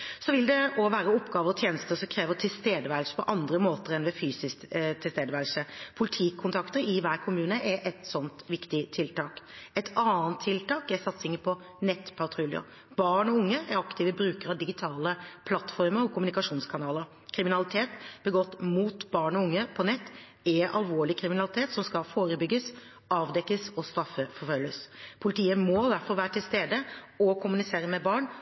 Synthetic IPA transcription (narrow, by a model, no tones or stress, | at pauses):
sɔʋɪld̪ɛɔʋæːɾəɔpːɡɑːʋəɾɔt̪ʰjeːnəst̪əsɔkʰɾeːʋəɾt̪ʰɪlst̪eːd̪əʋælsə̥pʰɔʔɑnd̪ɾəmoːt̪əɾɛnʋɛfyːsɪskt̪ʰːɪlst̪eːd̪əʋælsəpʰʊlɪt̪ʰiːkʰʊnt̪ʰɑkt̪əɾɪʋæːɾkʰʊmʉːnəʔæɾʔɛt̪sɔnt̪ʋɪkt̪ɪt̪ʰɪlt̪ɑːkɛt̪ʰɑːənt̪ʰːɪlt̪ɑːkæɾsɑt̪sɪŋːəpʰɔ | nɛt̪ːpʰɑt̪ʰɾʉljʊ̰ | bɑːɳɔʊŋːəæɾɑkt̪ɪʋəbɾʉːkəɾɑʋd̪ɪɡɪt̪ʰɑːləpʰlɑt̪ːfɔɾməɾɔkʰʊmʉnɪkɑʂuːnskʰɑnɑːləɾ | kʰɾɪmɪnɑlɪt̪ʰeːt̪b̥əɡɔt̪ːmuːt̪bɑːɳɔʊŋːəpʰɔnɛt̪ː | ɛʔɑ̰lʋoːɭɪkʰɾɪmɪnɑlɪt̪ʰeːt̪sɔmskɑfoːɾəbʏɡːəs | ɑːʋd̪ɛkːəsɔst̪ɾɑfːəfɔɾfœlːəspʰʊlɪt̪ʰiːəmɔd̪æɾfɔɾʋæːɾəʈ̪ʰɪlst̪eːd̪ə | ɔkʰʊmʉnɪseːɾəmɛbɑːɳ